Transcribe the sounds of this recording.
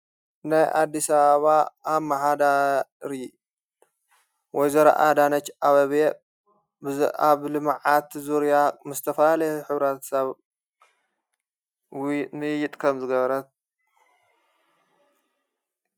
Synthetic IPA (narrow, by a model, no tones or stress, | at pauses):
najʔa̰d̪ːisaβaβaaβmaħad̪aɾi | wɔjzɐɾɐ̰ʔa̰d̪anɐt͡ʃːʔaβɐβe | baβlɨmʕat̪zuɾjamɨst̪ʰɐfɐlalɐjħɨβɾat̪saβ | wnɨjɪt̪ʼkʰɐmzɨɡɐβɐɾɐt̪̚